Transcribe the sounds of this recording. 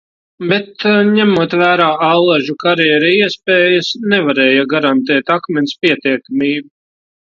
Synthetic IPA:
bet̪ɲæmuɔt̪væːɾaːʔalˠaʒukaɾɛɾɛiɛspɛːjasnɛvaɾɛːjaɡaɾant̪ɛːt̪akmʲɛnʲspiɛt̪iɛkamiːbu

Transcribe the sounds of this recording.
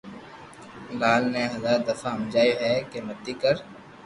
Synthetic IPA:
laːlnẽɦɐzaːd̪ɐfaɐmd͡ʒaːiɦɛkemɐd̪ikɐɾ

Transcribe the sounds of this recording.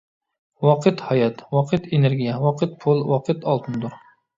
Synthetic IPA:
wɑqʰɨt̪hɑjɛt̪wɑqʰɨt̪ʰeneɾɡʲijɛwɑqʰɨt̪̚pʰʊlˠwɑqʰɨt̪ɑlˠt̪ʰɨnd̪uɾ

